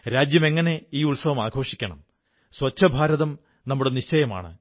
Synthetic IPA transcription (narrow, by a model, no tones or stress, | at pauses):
ɾaːd͡ʑjɐme̞ŋːɐne̞iːuɭsɐʋɐmaːɡʰʱo̞ːʂikʲːɐɳɐ̰m | swɐt͡ɕʰːɐbʱaːɾɐðɐm | nɐmːuɽeniɕt͡ɕɐjɐma̰ːɳɨ̰